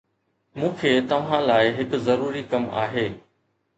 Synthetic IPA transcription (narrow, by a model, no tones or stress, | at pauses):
mũːkʰeːt̪ɐʋ̤ãlaːɪɦɪkzɐɾuːɾikɐma̰ːɦeː